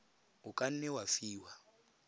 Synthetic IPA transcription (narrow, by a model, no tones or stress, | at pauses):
ukʼan̩nɛwafiːwa